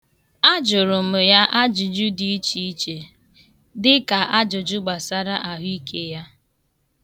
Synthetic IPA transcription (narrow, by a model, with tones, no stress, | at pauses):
a˦d͡ʒʊ˨ɾʊ˨mʊ˨ja˦ʔa˦d͡ʒʊ˨d͡ʒʊ˦di˦i˦t͡ʃi˦i˦t͡ʃe˨ | dɪ˦ka˨ʔa˦d͡ʒʊ˨d͡ʒʊ˦ɡ͡ba˨sa˦ɾa˦ʔa˨ɦʊ˦i˦kʰe˦ja˦